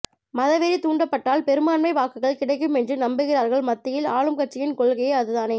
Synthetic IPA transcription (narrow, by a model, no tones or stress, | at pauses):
mɐðɐʋeɾit̪uːɳɖɐpːɐʈːaːlpɛɾɯmaːnmɐɪʋaːkɯɣɐɭkɪɽɐɪk̬ːɯmɛndrɯnɐmbɯɣɪɾaːɾɣɐɭmɐt̪ːɪjɪlaːɻɯmkɐʈ̚t͡ʃːɪjɪnkɔɭɣɐjɐɐðɯðaːneː